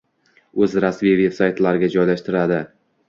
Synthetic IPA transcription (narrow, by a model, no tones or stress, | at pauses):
ɵzɾasmijve̞psajt̪laɾɪɡʲad͡ʒɒjlaʃt̪ɪɾad̪ɪ